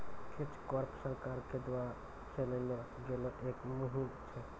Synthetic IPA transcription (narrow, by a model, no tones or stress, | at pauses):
kʰit͡ʃkɔɾpsəɾkaɾked̪waɾa | t͡ʃʰelənɔ | ɡelɔʔekmuɦimt͡ʃʰɛ